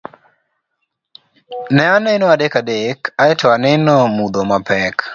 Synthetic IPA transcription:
nɛanɛnɔadekadekaɛtʰɔanɛnɔmud̪omapɛk

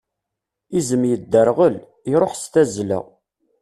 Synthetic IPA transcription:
izəmjəd̪ːəɾʁəl | iɾˤoħst̪æzlə̰

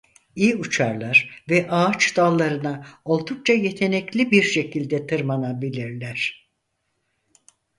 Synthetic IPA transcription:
iːut͡ʃʰaɾlˠaɾvɛʔaːt͡ʃd̪̥alˠːaɾɯnaolˠd̪uk̚t͡ʃaje̞t̪ʰe̞nɛclʲibiɾʃe̞cʰilʲd̪ɛt̪ʰɯɾmanabilʲiɾlʲæɾ̥

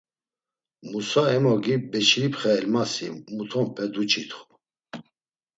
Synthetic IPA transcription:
musaɛmɔɡibɛt͡ʃʰɾipʰχɛɛlmasḭmut̪ʰɔmpʰɛd̪ut͡ʃʰit̪χu̥

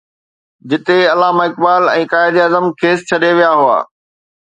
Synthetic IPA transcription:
d͡ʑɪt̪eɐlaːmaɪk̚baːlɛ̃ːkaːɪd̪iaːzəmkʰeːst͡ɕʰɐɗeʋijaɦʊa̰ː

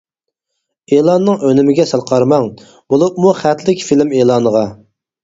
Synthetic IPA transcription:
elˠɑnːɨŋønɪmɪɡʲɛsɑlˠqʰɑɾmɑŋ | bolˠupmuχæt̪ʰlɪkʲfilɪmeːlˠɑːnəʁɑ

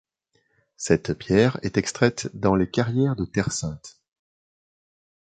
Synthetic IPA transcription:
sɛt̪pjɛʁɛt̪ɛkst̪χɛt̪d̪ɑ̃lekaʁjɛʁd̪ət̪ɛʁsɛ̃t̪

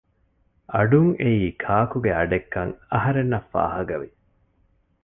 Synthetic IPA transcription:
ʔɐɖuŋeiːkʰaːkuɡeɐɖekːɐŋɐɦɐɾenːɐfːa̰ːɦɐɡɐʋi

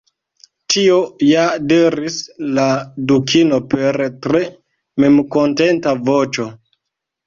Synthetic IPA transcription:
tʰio̞jadeɾisladukʰino̞pe̞ɾtɾe̞ | me̞mko̞nte̞ntavot͡ʃo̞

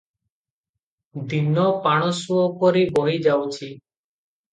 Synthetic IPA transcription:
d̪inɔpaɽ̃ɔsuɔkɔɾibɔɦid͡ʒawt͡ʃʰi

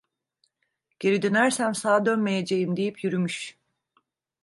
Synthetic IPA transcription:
ɟ̥e̞ɾid̪ønæɾsænsaːd̪ønme̞jed͡ʒejimd̪ijipʰjyɾymyʃ

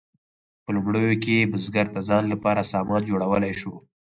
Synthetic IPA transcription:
pəlʊmɽəjokebʊzɡaɾt̪azɑːnlapɑɾasɑːmɑːnd͡ʒoɽawəlajʃo

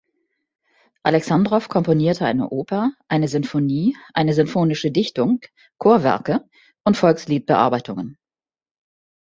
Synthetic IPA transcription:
ʔalɛksandʁɔfkʰɔmponiːɐtʰəʔaɪnə̰ʔoːpʰɐʔaɪnəzʏnfoniːʔa̰ɪnəzʏmfoːnɪʃədɪçtʊŋ | kʰoːɐvɛ̰ɐkə | ʔʊntfɔlksliːt̚b̥əʔa̰ɐbaɪtʰʊŋən

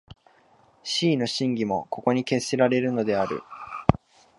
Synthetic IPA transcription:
ɕiːno̞ɕĩŋɡʲimo̞ko̞ko̞ɲ̟ike̞siɾaɾe̞ɾɯ̟no̞d̪e̞aɾɯ̰

